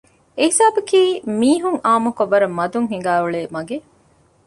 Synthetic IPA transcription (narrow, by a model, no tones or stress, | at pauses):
eɦisaːbɐkiːmiːɦuŋaːmukoʋːɐɾɐmːɐd̪uŋɦiŋɡæːuɭeːmɐɡe